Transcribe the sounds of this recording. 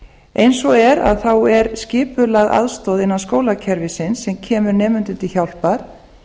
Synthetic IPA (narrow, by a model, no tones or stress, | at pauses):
ejnsɔɛɾa̰ðθawɛɾscɪːpʏlaɣʔa̰ðst̪ɔwðɪnːaðskoːwlacʰɛɾvɪsɪnsɛmcʰɛːmʏɾnɛːmʏnt̪ʏnt̪ɪçawl̥paɾ̥